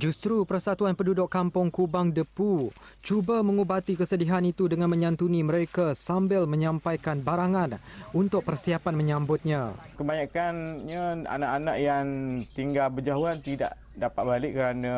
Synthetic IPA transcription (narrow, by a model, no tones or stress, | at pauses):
d͡ʒust̪ɾupərsat̪uanpədudʊkːampʊŋkubaŋdəpu | t͡ʃubamə̃ŋubat̪ikəsədiɦanit̪udəŋãnmə̃ɲãnt̪uniməɾekasambɪlmə̃ɲãmpajkanbaɾaŋanunt̪ʊk̚pərsiapanmə̃ɲãmbʊt̪̚ɲã | kəbaɲakanɲaa̰naʔanaʔjaŋt̪iŋɡalbəd͡ʒaɦuant̪ida̰ʔ | dapat̪̚balɪʔkəɾana